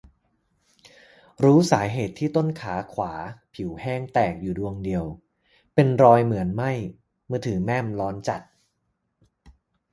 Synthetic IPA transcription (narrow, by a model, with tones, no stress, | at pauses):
ɾuː˦˥saː˩˦ɦeː˨˩t̪ʰːiː˥˩t̪o˥˩nkʰaː˩˦kʰwaː˩˦pʰi˩˦whɛː˥˩ŋt̪ɛː˨˩k̚juː˨˩du˧əŋdi˧əw | pe˧nɾɔː˧jmɯ˩˦ənma˥˩j | mɯː˧˩t̪ʰɯː˩˦mɛ˥˩mlɔː˦˥nt͡ɕa˨˩t̪̚